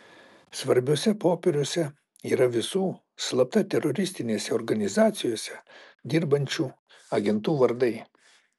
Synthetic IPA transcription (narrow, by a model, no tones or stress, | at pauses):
sʋɐɾʲbʲʊsʲɛpoːpʲeɾʲʊsʲɛ | iːɾɐʋʲɪsuː | slˠɐp̚t̪ɐt̪ʲɛɾɔɾʲɪsʲt̪ʲɪnʲeːsʲɛɔɾɡɐnʲɪzɑːt̪sʲɪjoːsʲɛ | d̪ʲɪɾbɐnʲt͡ʃʲuː | ɐɡʲɛnt̪uːʋɐɾd̪ɐɪ